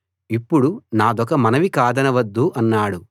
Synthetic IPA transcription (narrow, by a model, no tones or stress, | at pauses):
ipːuɽunaːd̪ɔkɐmɐnɐʋikaːd̪ɐnɐʋɐd̪ːuʔɐnːaːɽu